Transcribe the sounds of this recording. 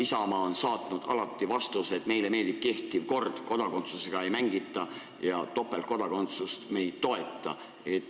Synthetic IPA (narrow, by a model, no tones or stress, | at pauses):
isɑmɑːonsɑːt̪ˑnud̪̥ɑ̰lɑt̪ːivɑst̪uset̪me̞jleme̞ːld̪ip̚ke̞ht̪ˑivko̞rd̪̥ko̞d̪̥ɑko̞nt̪suse̞ɡ̥ɑe̞jmæŋɡ̥it̪ːˑɑ | jɑt̪o̞pːˑe̞lko̞d̪̥ɑko̞nt̪sust̪me̞jd̪̥̚t̪o̞e̞t̪ːˑɑ̰ | e̞t̪ː